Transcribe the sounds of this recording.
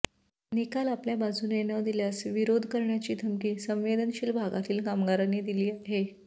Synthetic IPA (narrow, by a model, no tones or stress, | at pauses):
nikalapljabad͡zʱunenəd̪iljasʋiɾod̪ʱkəɾɳjat͡ɕiːd̪ʱəmkiːsə̃mʋed̪ənɕiːlbʱaɡat̪iːlkamɡaɾaneːd̪iliːɦe